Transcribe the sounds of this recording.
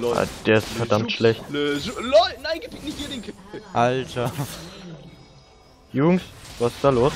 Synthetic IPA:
ʔa̰d̥eːɐɪstfɛɐdamtʃlɛçtːlɔɪnaɪɡɪpɪknɪçɡidɪŋkʔaltʰɐ | jʊːɡŋ̩svasɪ̥sd̥aːloːs

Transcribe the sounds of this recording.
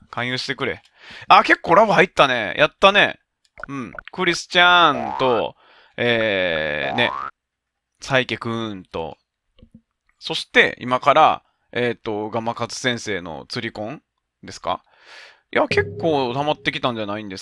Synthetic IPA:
kãɰ̃jɨ̟ːɕi̥t̪e̞kɯ̟ɾe̞̰ | ake̞kːoːɾabɯhait̪ːanḛjʔat̪ːane̞ | ɯ̟̃ɴkɯ̟ɾʲisɨ̥t͡ɕant̪o̞ | eː | ne̞̰ | saikʲe̞kɯ̟nt̪o̞̰ | so̞ɕi̥t̪e̞̰ḭmakaɾa̰ | et̪ːo̞ɡamakat͡sɨ̥sẽ̞ɰ̃se̞ːno̞̰t͡sɨɾʲikõ̞ŋ | d̪e̞sɨ̥ka̰ | jake̞kːo̞ːt̪amat̪ːe̞kʲi̥t̪ãɲ̟d͡ʑanaĩnd̪e̞s

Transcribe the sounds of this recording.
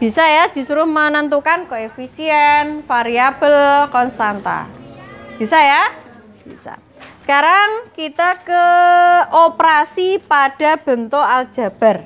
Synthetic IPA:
b̥i̤sajad̪̥i̤suɾʊhmənənt̪̬ukankoefisiɛnfaɾiab̥əlkɔnst̪ant̪a̰ | b̥i̤saja | b̥isa̰ | sə̥kaɾaŋkit̪akə | opɾasipaɖ̥a̤b̥ə̤nt̪oald̥ʒ̥a̤b̥a̤r

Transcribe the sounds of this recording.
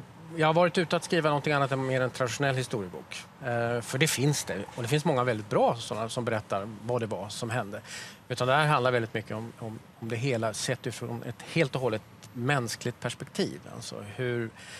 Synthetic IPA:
jɑːɡhaɾvɑːɾɪt̪ʉ̟ːt̪əat̪skɾiːvanɔnt̪ʰɪŋanːat̪ɛnmeːɾɛnt̪ʰɾad̪ɪʂʊnɛlːhɪst̪uːɾɪəbṵːk | fœɖɛfɪnsd̪ɛɔd̪ɛfɪnsmɔŋːavɛld̪ɪt̪̚bɾɑːsɔnːasɔmbɛɾɛt̪ːaɾvad̪ɛvasɔmɦɛnd̪əʉ̟ːt̪and̪ɛhæːɾɦand̪aɾvɛlɪt̪mʏkʰːəɔmɔm | ɔmd̪ɛɦeːlasɛt̪ːɪfɾɔ̰nʔɛ̰t̪heːlt̪ɔɦɔlːət̪mɛnsklɪɡ̚t̪̚pʰæʂpɛk̚t̪ʰḭːva̰lsɔ̰hɵɾ

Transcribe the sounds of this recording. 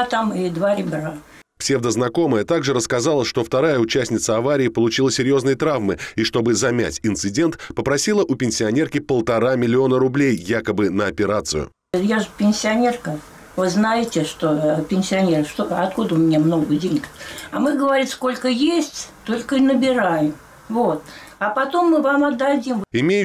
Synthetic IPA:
t̪amɪd̪vaɾʲɪbʲɪɾa | psʲe̞vd̪əznɐko̞məjət̪aɡʐɨɾəskɐzalˠəʂt̪o̞ft̪ɐɾajəʊt͡ɕæsʲnʲɪt̪səɐvaɾʲɪːpəlˠʊt͡ɕilˠəsʲɪɾʲjo̞znəjət̪ɾavmɨiʂt̪o̞bɨzɐmʲæ̰tʲɪnt̪sɨdʲe̞nt̪pəpɾɐsʲilˠəʔʊpʲɪnʲsʲɪɐnʲe̞rkʲɪpəlˠt̪ɐɾamʲɪlʲɪo̞nəɾʊblʲejːakəbɨnəɐpʲɪɾat̪sɨjʊ̰ | jaʐɨpʲɪnʲsʲɪɐnʲerkə | vɨznajɪtʲɪʂt̪opʲɪnʲsʲɪɐnʲeɾəʂt̪oɐt̪kud̪əʊmʲɪnʲemno̞ɡədʲenʲɪk̪ɐ̰mɨɡəvɐɾʲit̪sko̞lʲkəjesʲtʲt̪o̞lʲkəinəbʲɪɾajɪm | vot̪ | ɐpɐt̪o̞mːɨvamɐd̪ːɐdʲimɪmʲej

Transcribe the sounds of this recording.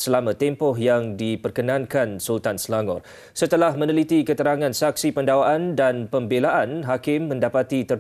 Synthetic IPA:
səlamãt̪ɛmpɔɦjaŋdipərkənãnkansult̪ansəlaŋɔ̰r | sət̪əlahmə̃nəlit̪ikət̪əɾaŋãnsak̚sipəndawaʔandanpəmbelaʔanɦakɪmːə̃ndapat̪it̪ə

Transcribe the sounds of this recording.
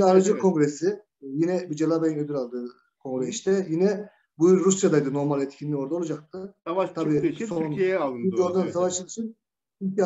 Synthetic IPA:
aɾad͡ʒɯkʰo̞ŋɡɾesi | jinɛbid͡ʒelˠabajinød̪yɾalˠd̪ɯː | kʰõ̞ŋɡɾeiʃt̪ʰɛjinɛ | bujuɾɾusjad̪ajd̪ɯno̞ɾmalʲɛt̪cʰinlʲio̞ɾd̪aolˠad͡ʒak̚t̪ʰɯt̪ʰabiːsonioɾd̪ansavaʃɯiʃʰin | t͡ʃʰyɲcʰi

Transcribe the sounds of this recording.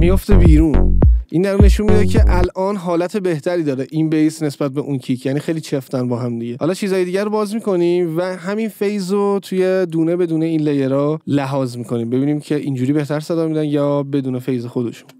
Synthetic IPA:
mijo̞ft̪ebiːɾuːnʔind̪æɾunːeʃunmid̪ecʰeʔælʔɒːnɦɒːlæt̪ʰe̞beht̪ʰæɾiːd̪ɒːɾeʔinbejsne̞sbæt̪̚beʔuncʰicʰjæːniːxejlit͡ʃʰeft̪ænbɒːɦæmd̪iɟe̞hɒːlɒːt͡ʃʰiːzɒːjed̪iːɟæɾobɒːzmiːko̞nimvæɦæminfejzɾot̪ʰuje̞d̪uːne̞be̞d̪uːne̞iːnlejeɾɒːlæɦɒːzmiːkʰo̞niːmbe̞biːniːmcʰe̞ʔiːnd͡ʒuːɾiːbe̞ht̪ʰæɾsæd̪ɒːmid̪ænjɒːbe̞d̪uːnefejze̞xo̞d̪e̞̰ʃu̥n

